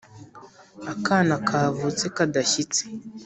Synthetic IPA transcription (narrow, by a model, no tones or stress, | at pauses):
akanakʰaːvut͡sekadaʃit͡se̥